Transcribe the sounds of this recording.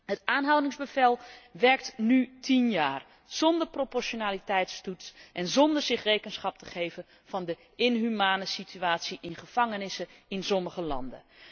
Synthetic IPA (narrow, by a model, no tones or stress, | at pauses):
ɦətaːnɦawdɪŋzbəvɛlˠʋɛɹk̚tnytinjaːr | z̥ɔndəɹpropɔɹʃonaːlitɛjtstutsʔɛnzɔndəɹz̥ɪχrejkənsχɑp̚tə̥χejvə | v̥ɑndə | ɪnɦymaːnəsitʰyaːtsiʔɪnχəv̥ɑŋənɪsəɪnsɔməχəlɑ̰ndə̰